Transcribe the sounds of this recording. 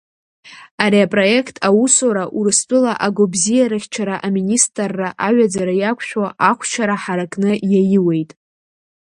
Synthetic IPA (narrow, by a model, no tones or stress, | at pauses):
aɾiapʼro̞e̞kʰtʰʼawusoɾaʔurɨst͡pʷʼʊlaʔaɡʷobzijaɾɨχʲt͡ʃʰaɾaʔaministʼrːaʔaɥad͡zaɾajakʷʰʃᶣwaʔakʷʰt͡ʃʷʰaɾaħaɾakʼnɨjajiwe̞jtʼ